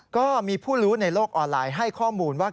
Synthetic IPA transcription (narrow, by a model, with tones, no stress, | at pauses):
kɔː˥˩miː˧pʰuː˥˩ɾuː˦˥na˧jloː˥˩k̚ʔɔː˧nlaː˧jɦa˥˩jkʰɔː˥˩muː˧nwaː˥˩